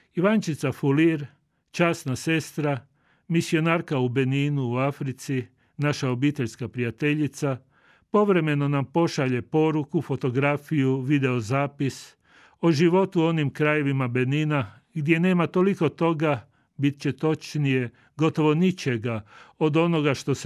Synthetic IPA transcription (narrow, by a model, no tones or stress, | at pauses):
iʋant͡ʃit̪safuliɾ | t͡ʃaːsnase̞st̪ɾa | misio̞naːɾkaube̞niːnuːafɾit̪si | naʃao̞biːt̪e̞ʎskapɾijat̪e̞ʎit̪sa | po̞ʋɾe̞me̞no̞nampo̞ʃaʎe̞po̞ɾukufo̞t̪o̞ɡɾafijuʋid̪e̞ozaːpis | o̞ʒiʋo̞t̪uo̞nimkɾaje̞ʋimabe̞niːna | ɡd̪je̞ne̞ːmat̪o̞liko̞t̪o̞ɡa | bit̪̚t͡ɕe̞t̪o̞t͡ʃnije̞ | ɡo̞t̪o̞ʋo̞nit͡ʃe̞ɡao̞d̪o̞no̞ɡaʃt̪o̞s